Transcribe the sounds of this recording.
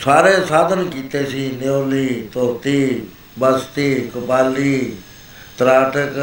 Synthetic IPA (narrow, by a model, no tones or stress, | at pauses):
saːɾeːsaːd̪ʱənkiːt̪eːsĩːneoːliːt̪oːt̪iː | bast̪iːkʊpaːliː | t̪ɾaːʈək